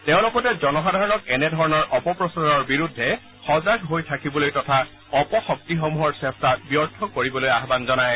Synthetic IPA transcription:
tẽʊ̃lʊkɔtɛzɔnɔxadʱaɹɔnɔkɛnɛdʱɔɹɔnɔɹʔɔpɔpɹɔsaɹɔɹbiɹudʱːɛ | xɔzaɡɦojtʰakibɔlojtɔtʰa | ɔpɔxɔk̚tixɔmuɦɔɹsɛstabijɔɹtʰɔkoɹibɔlojaɦbanzɔnaj

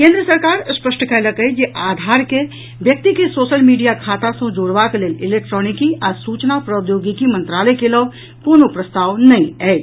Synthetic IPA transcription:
kẽːnd̪ɾəsəɾkaːɾspəsʈʰəkələkəjd͡ʒeʔaːd̪ʱaːɾke | ʋjək̚t̪ikesoːʃəlmiːɖijakʰaːt̪ãsõd͡ʒoːɽʋakeleːlɪleːk̚ʈɾɔːnikiʔaːɾsuːt͡ʃnapɾəd̪joːɡikimə̃nt̪ɾaːləjkelɔːb | koːnopɾəst̪aːwnɐɦĩɛ

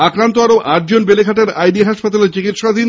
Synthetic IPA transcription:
akɾant̪oaɾoʔaʈ̚d͡ʑonbelekaʈaɾajɖiɦaʃpat̪aleɾt͡ɕikit̪ʃad̪ʱin

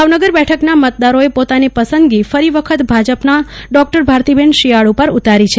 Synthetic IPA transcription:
bʱaʋnəɡəɾbɛʈʰəknamət̪̚d̪aɾoepot̪anipəsənd̪ɡifəɾiʋəkʰət̪bʱad͡ʒəpnaɖɔk̚ʈəɾbʱaɾt̪ibeɳɖʃiaɭupəɾut̪aɾit͡ʃʰe

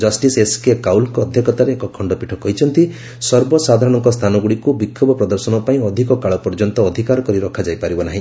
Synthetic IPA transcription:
d͡ʒɔsʈiseskekawlkɔːd̪ʱjɔkʰɔt̪aɾeːkɔkʰɔɳɖɔpiʈʰɔkɔɦit͡ʃʰɔnt̪i | sɔɾbɔsad̪ʱaɾɔɽ̃ɔŋkɔst̪ʰanɔɡuɽikubikʰːɔbɔpɾɔd̪ɔɾsɔnɔpaĩɔd̪ʱikɔkaɭɔpɔɾd͡ʒɔnt̪ɔːd̪ʱikaɾɔkɔɾiɾɔkʰad͡ʒajpaɾibɔnaɦĩ

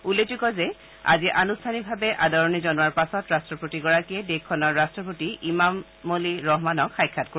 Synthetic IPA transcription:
ulːed͡ʑikɔzɛ | a̰ziʔa̰nustʰanibʱabɛʔadɔɹɔnizɔnuwaɹpasɔtɹastɹɔpotiɡɔɹakiɛdekʰːɔnɔɹːastɹɔp̬otiʔimamː | oliɹɔɦmanɔkxajkʰːatko

